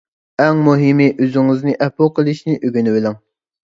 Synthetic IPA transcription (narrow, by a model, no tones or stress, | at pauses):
ɛŋmuɦɪmɪʔøzɪŋɨznɪʔɛpoqʰəlˠɨʃnɪʔyɡʲynɪwɪlɪŋ